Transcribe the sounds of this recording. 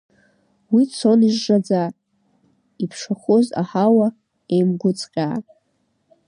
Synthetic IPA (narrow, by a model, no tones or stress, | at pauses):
wit͡sʰoniʐːad͡za | ipʰʂaχoza̰ħawa | ejmɡʷʊt͡sʰʼqʲʼaː